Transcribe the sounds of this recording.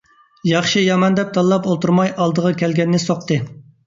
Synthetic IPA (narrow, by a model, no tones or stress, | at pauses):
jɑχʃijɑmɑnd̪ɛp̚t̪ʰɑlˠːɑpolˠt̪ʰuɾmɑjʔɑlˠd̪əʁɑkʲʰɛlɡʲɛnːɪsoqt̪ɨ